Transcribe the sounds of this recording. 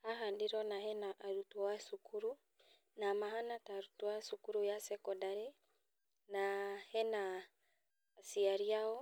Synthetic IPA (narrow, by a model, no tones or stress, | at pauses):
aɦandiɾɔnahɛnaʔːɾutuwasukʰuɾu | namaɦanataɾutuasukuɾujasɛkɔdaɾe | nahɛnaː | siaɾiaɔ